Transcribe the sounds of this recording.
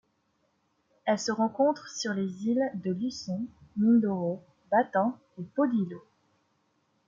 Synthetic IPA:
ɛlsəʁɑ̃kɔ̃t̪χsyʁlezild̪əlysɔ̃mind̪oʁo | bat̪ɛ̃ | epod̪ilo

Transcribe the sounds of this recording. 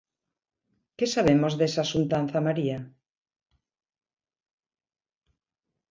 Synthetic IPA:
kesaβemozðesasunt̪an̟θamaɾia

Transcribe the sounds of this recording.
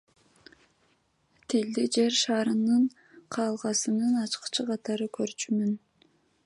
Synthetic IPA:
t̪ʰild̪id͡ʒeɾʃɑːɾɯnɯɴ | qʰɑːlˠʁɑsɯnɯnɑt͡ʃqt͡ʃʰɯqʰɑt̪ɑɾɯkʰøɾt͡ʃymyn

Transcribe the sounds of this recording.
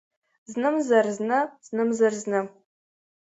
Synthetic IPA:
znɨmzɐrznɐz̥nɨmzɐrznɐ

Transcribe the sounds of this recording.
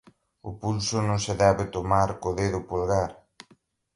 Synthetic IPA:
ʊpulsʊnõŋseðɛβɪt̪omaɾkoðeðʊpolɣaɾ

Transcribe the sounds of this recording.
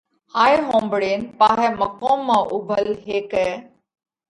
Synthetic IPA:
haːiɦõːmbɽeːnpaːɦɛməkõːmːãːʔʊbʱəlɦeːkɛː

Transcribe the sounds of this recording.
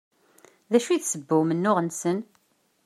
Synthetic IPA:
ðæʃuiθsəbːʊmənːʊʁənsən

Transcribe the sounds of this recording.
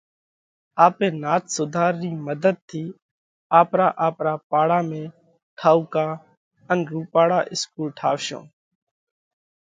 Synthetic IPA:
aːpẽːnaːt̪sʊd̪ʱaːɾːiːməd̪ʱəd̪̚t̪ʰiː | aːpɾaːʔaːpɾaːpaːɽaːmẽː | ʈʰaːuːkaː | ənɾuːpaːɽaːʔɪskuːlʈʰaːʋʃõ̰ː

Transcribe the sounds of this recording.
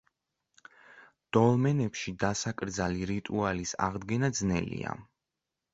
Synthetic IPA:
d̪̥ɔlˠmɛnɛpʃid̪asakʼɾd̪zaliɾit̪ʼualisa̰ʁd̪ɡɛnad̪znɛ̰lḭa̰

